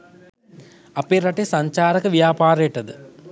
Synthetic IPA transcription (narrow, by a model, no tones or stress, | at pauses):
ɐpːirɐʈːesɐɲt͡ɕaːɾɐkːɨʋijaːpaːɾɐjiʈːɐðɨ